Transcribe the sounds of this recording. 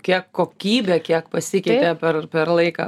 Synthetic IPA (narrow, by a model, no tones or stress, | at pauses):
kʲiɛkːoːkʲiːbʲɛːkʲiɛkpɐsʲɪkʲɛːpʲeːpʲɛrpʲɛrlˠɐɪkɑ̰ː